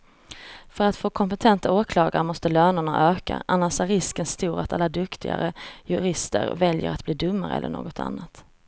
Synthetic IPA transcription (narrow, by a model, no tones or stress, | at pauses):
fœɾat̪foːkʰɔmpɛt̪ʰɛnt̪aoːkʰlɑːɡaɾmɔst̪əløːnʊɳaʔøːka̰ʔanːaʂæɾːɪskənst̪uːɾat̪alːad̪ɵkt̪ʰɪ̰ɡa̰ɾəjɵɾɪst̪əɾvɛljə̰ɾat̪̚bliːd̪ɵmːaɾəɛ̰lːə̰ɳo̰ːɡɔt̪ʰa̰nːat̪